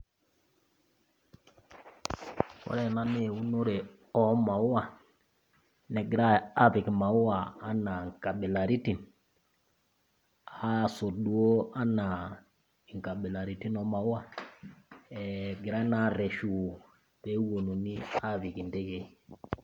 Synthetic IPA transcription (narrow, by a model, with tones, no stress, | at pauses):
wo̰˦ɾe˨na˦ne˦˨wu˦no˦ɾe˨ | ɔ˦ma˨u˦wa˨ | ne˨ɡi˨ɾa˦a˦vi˨kma˨u˦wa˨a˦na˨ŋka˨ɓi˨la˨ɾi˦ti˨n | a˦so˨du˨o˦a˦na˨ | i˨ŋka˨bi˨la˨ɾi˨ti˦no˦ma˨u˦wa˦˨ | ɡi˨ɾa˦na˦ɾe˨ʃu˨ | pe˦wo˨no˨ni˦a˦vi˨ki˨nte˦ke˨˦˨